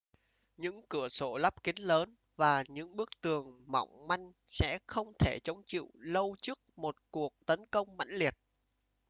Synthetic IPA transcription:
ɲɨ̰˧˥ŋkɨ˧˩əso˧˩lə˦˥p̚ki˨˦ŋləː˨˦n | vaː˨˩ɲɨ̰˧˥ŋɓɨ˦˥ək̚t̪ɨ˨˩əŋmɔ̰˧˨wŋ͡mma˧jŋ̟ | sɛ̰˧˥xə˧wŋ͡mt̪ʰe˧˩t͡ɕə˨˦wŋ͡mt͡ɕḭ˧˨wlə˧wt͡ɕɨ˦˥k̚mo˨˩t̚ku˨˩ək̚t̪ə˨˦nkə˧wŋ͡mma̰˧˥ŋli˨˩ət̚

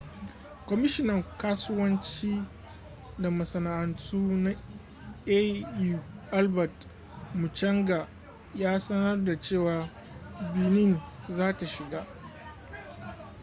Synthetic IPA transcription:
kʷɔ˨mɪ˦ʃɪ˦nɐ˨ŋkaː˦sʊ˦wɐ˦nt͡ʃiː˦ | da˨mɐ˨sɐ˨na˨ʔa˨ntuː˦na˦ | e˦ju˨ʔa˦lbɐ˨t | mu˨t͡ʃɐ˦ŋɡa˨ | jaː˦sɐ˦nɐ˦rda˨t͡ʃeː˦˨waː˨ | bɪ˨nɪ˦˨nzaː˦ta˨ʃɪ˨ɡaː˦ʔ

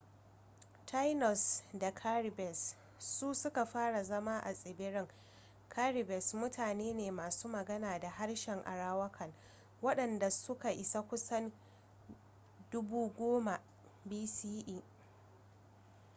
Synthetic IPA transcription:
tʰa˦jnɔ˨sda˨kʰaː˦ɾɪ˨bɛ˨sː | u˦sʊ˦ka˨ɸaː˦ɽa˨zɐ˦maː˦ʔa̰˨sʼɪ˨bɪ˦ɽɪ˦ŋ | kʰaː˦ɾɪ˨bɛ˨smʊ˦tʰaː˨neː˦neː˨maː˨suː˦mɐ˨ɡɐ˦naː˨da˨ha˦ɽʃɛ˨ŋʔa̰˨ɽaː˦wɐ˦kʰɐ˨ŋ | wɐ˦ɗɐ˨nda˨sʊ˦ka˨ʔɪ˨sa˦kʷʊ˦sɐ˦n | dʊ˦buː˦ɡʷoː˦ma˨ | biː˦siː˦ʔiː˦

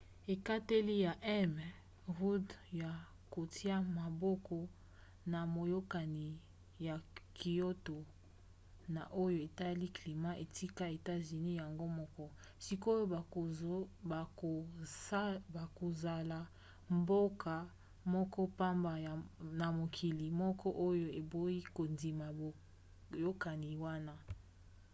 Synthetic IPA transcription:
e˨ka˦te˦li˦ja˨ʔɛ˦m˨ | ʁu˦dja˨ | ko˨tʰi˦a˦ma˨bɔ˦kɔ˦ | na˨mo˨jo˦ka˨ni˨ | ja˨ki˨jo˦to˨ | na˨ʔo˦jo˦˨e˨ta˦li˦kli˨ma˦ʔe˨ti˦ka˦e˨ta˦zy˨ni˦ja˨ŋɡo˦mɔ˦kɔ˦ | si˦ko˦jo˦˨˦ | ba˨ko˨za˨la˨ | mbo˦kʰa˨ | mɔ˦kɔ˦pa˦mba˨na˨mo˨kʰi˨li˨mɔ˦kɔ˦ʔo˦jo˦˨e˨bo˦i˦ko˨ndi˨ma˨ | jo˦ka˨ni˨wa˦na˦

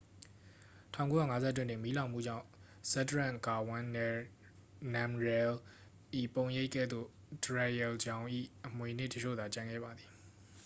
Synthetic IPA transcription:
tʰã̰˦˨ko˦ja̰˦˨ŋa˦zɛ˦t̬wɪ̃˦˨n̥ɪ̰̃˦˨mi˨˦lã˨ʊ̃mṵ˦˨d͡ʑã̰˦˨ | sɛ˦təɹã˦˨ka˨wã˦n | nã˨mɹɛ˨l | ʔḭ˦˨põ˨ʊ̃je˦ɪʔkːɛ̰˦˨d̪ðo̰˦˨ | dɹa˨jɛ˨ld͡ʑã˦ʊ̃ʔḭ˦˨ʔəmwe˨n̥ɪ̰˦˨tət͡ɕʰo̰˦˨d̪a˨t͡ɕã˨ŋɡɛ̰˦˨ba˨d̪ði˨

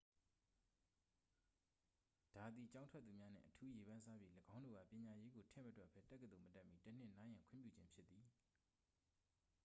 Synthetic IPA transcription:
d̥a˨d̪i˨t͡ɕã˦ʊ̃ntʰwɛ˦t̪ːθu˨mja˦n̥ɪ̰̃˦˨ʔətʰu˦je˨bã˦nsa˦˨bji˦ləɡã˦ʊ̃ndo̰˦˨ɡa̰˦˨pjɪ̃˨ɲa˨je˦ɡo˨tʰɪ̰̃˦˨mətwɛ˦ʔpʰɛ˦tɛ˦kːəd̪o˨mətɛ˦ʔmːi˦tən̥ɪ̰̃˦˨nã˦jã˨ŋkʰwʊɪ̰̃˦˨pjṵ˦˨d͡ʑɪ̃˦mpʰjɪ˦t̪ːi˨

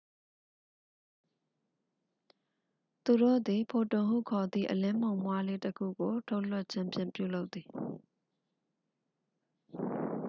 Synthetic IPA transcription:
t̪u˨ɾo̰˦˨d̪i˨pʰo˨tʊ̃˨ɦṵ˦˨kʰɔ˨d̪ḭ˦˨ʔəlɪ̃˦m̥õ˨ʊ̃mwa˦le˦təkʰṵ˦˨ɡo˨tʰo˦ʊʔlʊ˦˨ʔ̚t͡ɕʰɪ̃˦˨mpjɪ̃˦˨mpjṵ˦˨lo˦ʊt̪t̪ːi˨

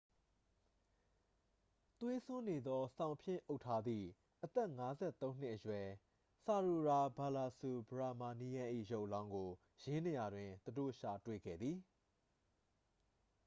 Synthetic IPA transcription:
t̪we˦sʊ̃˦ne˨d̪ɔ˦sã˨ʊ̃pʰjɪ̰̃˦˨ʔo˦ʊʔtʰːa˦d̪ḭ˦˨ | ʔət̪ɛ˦˨ŋa˦zɛ̰˦˨t̪õ˦ʊ̃n̥ɪ̰˦ʔəjwɛ˨ | sa˨ɹu˨ɹa˨ba˨la˨su˨bəɹa˨ma˨ni˦jã˦ʔḭ˦˨jo˦ʊʔlã˦ʊ̃ŋɡo˨ | jɪ̃˦ne˨ja˨dwɪ̃˨t̪udo̰˦˨ʃa˨twḛ˦˨ɡɛ̰˦˨d̪ði˨

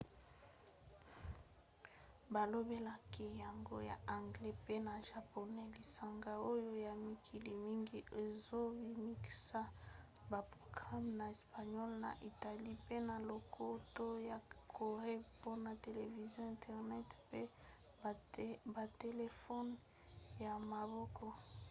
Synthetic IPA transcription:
ba˨lo˦be˦la˦ki˦ja˨ŋɡo̰˦ja̰˨ʔa˨ŋɡlɛ˦pe˦na˨ʒa˨po˨nɛ˦li˨sa˨ŋɡa˦o˦jo˦ja˨mi˨kʰi˨li˨mi˦ŋɡi˦ʔe˨zo˦bi˨mi˦ki̥˨sa˦ | ba˨pʁo˨ɡʁa˦mna˨e˨spa˨ɲɔ˦lna̰˨ʔi˨ta˨li˦pe˦na˨lo˨kʰo˦to˦ja˨kʰo˨ʁe˦po˦na˨te˨le˨vi˨zjɔ̃˦ɛ̃˨ntʰɛ˨ʁnɛ˦tpe˦ | ba˨te˨le˨fɔ˦n | ja˨ma˨bɔ˦kʰɔ˦

